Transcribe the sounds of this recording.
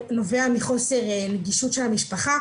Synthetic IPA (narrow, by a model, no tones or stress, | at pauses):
no̞veamiχo̞se̞ʁneɡiʃutʃe̞lhamiʃpaχa